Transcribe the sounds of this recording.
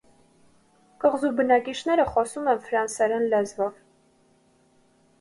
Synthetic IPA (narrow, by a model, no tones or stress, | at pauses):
kəʁzubənɑkiʃʰn̪ɛɾəχɔsumɛnfɾɑnsɛɾɛnlɛzvɔv